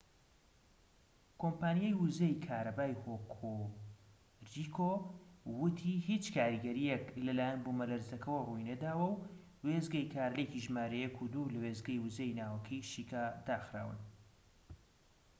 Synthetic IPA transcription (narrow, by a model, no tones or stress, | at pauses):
kʰompaːnijajwʊzejkʰaːɾɐbaːjhokʰo | rikʰowʊt̪ʰihit͡ʃkʰaːɾiɡɐɾijeklɐlaːjɛnbumɐlɐɾzɐkʰɐwɐrujnɐd̪aːwɐw | wezɡɐjkʰaːɾleciʒmaːɾɐjɛkʰud̪ulɐweːzɡɐjwuzejnaːwɐkʰɐjʃikad̪aːxɾa̰ːwɨ̰n